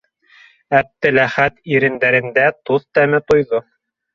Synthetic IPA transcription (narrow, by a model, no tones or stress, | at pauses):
æp̚t̪ɘ̆læχæt̪iɾɘ̆nd̪æɾɘ̆nd̪æt̪uðt̪æmɘt̪ŏjðo